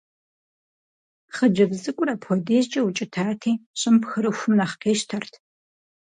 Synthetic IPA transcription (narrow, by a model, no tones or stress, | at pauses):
χəd͡ʒɐbzɨkʷʼʊrapʰɔdeːzd͡ʒʼɐwut͡ʃʼɪtʰaːtʰiːɕʼɪmpxɨɾɨxʷʊmnɐχqeːʃtʰɐrtʰ